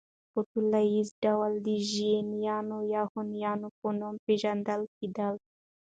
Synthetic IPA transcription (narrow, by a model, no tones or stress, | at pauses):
poʈulaizɖawald̪iʒienjanojahonjaːnoponompeʒand̪alkid̪al